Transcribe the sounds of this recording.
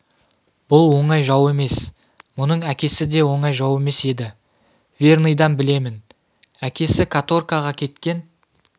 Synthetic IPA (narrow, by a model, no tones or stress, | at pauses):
b̥ʊlˠwo̞ɴɑjʒɑwe̞me̞s | mʊnəɴækʲe̞sɪd̪e̞wo̞ɴɑjʒɑwe̞me̞se̞d̪ɪ | vʲernɨjd̪ɑnbɪle̞mɪn | ækʲe̞sɪkʰat̪o̞rkaʁɑkʲʰe̞t̪kʲe̞n